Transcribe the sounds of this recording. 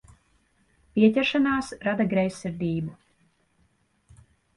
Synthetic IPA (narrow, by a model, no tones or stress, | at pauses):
pʲiɛcʲɛɾʃanaːsɾad̪aɡɾɛjsːiɾd̪ʲiːbu